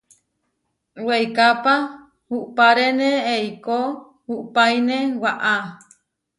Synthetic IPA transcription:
wejkapa | huʔpaɾeneeiko | huʔpajnewaʔa

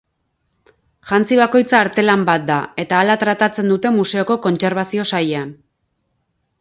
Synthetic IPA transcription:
ʝant͡siβ̞ako̞jt͡saːɾt̪e̞lambat̪̚d̪ae̞t̪aːlat̪ɾat̪at͡se̞nd̪ut̪e̞muse̞o̞ko̞ko̞nt͡se̞ɾβ̞asio̞sajean

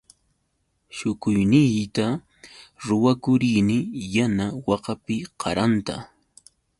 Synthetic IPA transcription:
ʃʊkʊjnɪjt̪a | ɾʊwakʊɾɪjnɪjanawɑqɑpɪqʰɑɾant̪a̰

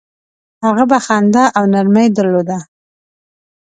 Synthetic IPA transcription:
haɣabaxand̪aʔawnaɾmajd̪əɾlod̪a

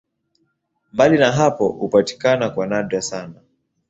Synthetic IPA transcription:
mbalinaɦapɔupati̥kanakwanaɗwasana

